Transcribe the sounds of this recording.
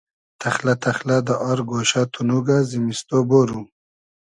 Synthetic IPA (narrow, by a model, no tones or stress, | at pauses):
t̪ʰaxlat̪axlad̪əʔaɾɡoːʃat̪ʰunuɡazimist̪oboːɾu